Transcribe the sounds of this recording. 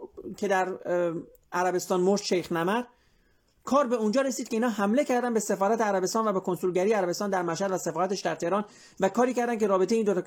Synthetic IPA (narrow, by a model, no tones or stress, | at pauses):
cʰe̞d̪æɾ | ʔæɾæbe̞st̪ɒːnmoɾt̪ʃejxnæmæɾ | kʰɒːɾbe̞und͡ʒɒːɾe̞siːd̪kʰʲeinhɒːɦæmle̞cʰæɾd̪ænbe̞se̞fɒːɾæt̪ʰeæɾæbe̞st̪ɒːnvæbekʰo̞nsulɟæɾijeæɾæbe̞st̪ɒːnd̪æɾmæʃhæd̪væse̞fɒːɾæt̪æʃd̪æɾt̪ʰe̞hɾɒːn | vækʰɒːɾiːcæɾd̪ænc̬ʰe̞ɾɒːbe̞t̪eeind̪ot̪ɑ